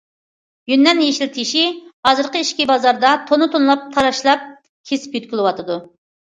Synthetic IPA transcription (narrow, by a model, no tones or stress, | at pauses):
jynːɛnjeʃilt̪ʰɪʃihɑzɨɾqəiʃkʲibɑzɑɾd̪ɑt̪ʰonɨt̪ʰonlˠɑp̚t̪ʰɑɾɑʃlˠɑp̚ | kʲʰesɪ̥pjyt̪̚kʲilˠɪwɑt̪ɨd̪u